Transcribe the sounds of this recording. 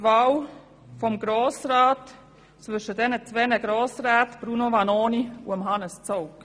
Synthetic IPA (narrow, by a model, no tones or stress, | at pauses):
vɑːw | fɔmɡɾoːsɾɑːt | t͡svʏʃəd̥ɛnət͡svɛnəɡɾoːsraːtb̥ɾunovɑnoːniuəmɦɑnəst͡soʊk